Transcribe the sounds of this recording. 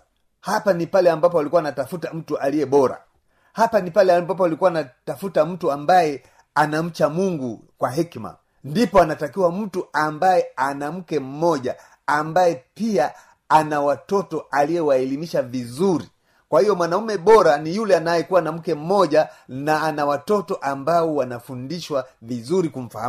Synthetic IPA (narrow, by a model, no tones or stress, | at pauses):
hapanipalɛambapɔalikuwanatafutam̩tuʔalijɛɓɔɾa̰ | hapanipalɛmbap̬ɔalikuwanatafutam̩tuambajɛ | anam̩t͡ʃamuŋɡukwaɦikma̰ | ndipɔanatakiwam̩tuambajɛanam̩kɛm̩mɔʄaː | mbajɛpia | anawatɔtɔalijɛwaɛlimiʃavizuɾi | kwahijɔmwanaumɛɓɔɾanijulɛanajɛkuwanam̩kɛm̩mɔʄanaanawatɔtɔʔambaɔwanafundiʃwavizuɾikum̩fa̰ha̰m